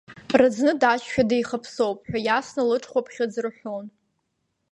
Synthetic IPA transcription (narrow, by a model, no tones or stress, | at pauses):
rɨd͡znɨdaʃʲᶣadejχapʰsowpʼħᶣʷajasnalɨʈ͡ʂʰʼχʷapʰχʲad͡zrħʷon